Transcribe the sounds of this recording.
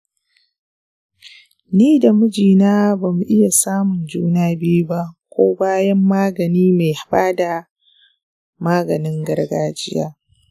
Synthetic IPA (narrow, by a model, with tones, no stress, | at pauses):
niː˦da˨mʊ˦d͡ʒiː˨naː˦ba˨mu˨ʔɪ˦ja˨saː˦mʊ˨nd͡ʒuː˦naː˦bi˦ju˦ba˦ʔkʷoː˦baː˦jɐ˦mːaː˦ɡɐ˨niː˦ma˨jha˨ɸaː˦da˨ | maː˦ɡɐ˨nɪ˦ŋɡɐ˦rɡaː˦d͡ʒɪ˦ja̰ː˦